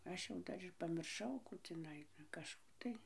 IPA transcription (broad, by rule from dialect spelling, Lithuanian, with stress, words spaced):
ˈɐʃ jɛʊ ˈdɐr ɪr pɐmʲɪrˈʃɐʊ ˈkuː tʲɪˈnɐɪ kɐʃˈkuː tɐɪ